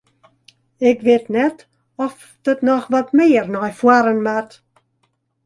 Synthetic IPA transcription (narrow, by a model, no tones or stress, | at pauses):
ɛɡvednɛd | ɔf | d̥ɔdnɔχvɔdmejrnɔjfwaɾənmat